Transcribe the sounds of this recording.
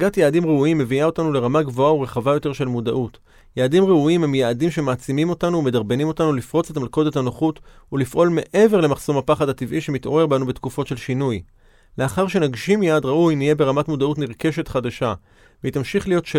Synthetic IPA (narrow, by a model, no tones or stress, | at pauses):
ɡatjaːdimʁeuimːe̞viao̞tanule̞ʁamaɡvo̞auʁe̞χavajo̞teʃe̞lmuda̰ʔut | jaːdimʁeuimhemjaːdimʃe̞maːt͡simimo̞tanuːme̞daʁbe̞nimo̞tanulifʁo̞t͡setmalko̞de̞thanoχutulifʔo̞lme̞ʔe̞ve̞ʁle̞maχso̞mapaχadativʔiʃe̞mit̪o̞ʁe̞ʁbanubetkufo̞tʃe̞lʃinuj | le̞aχaʁʃe̞naɡʃimjaːdʁaujnije̞be̞ʁamatmudautniʁke̞ʃe̞tχadaʃa | veitamʃiχlijo̞tʃe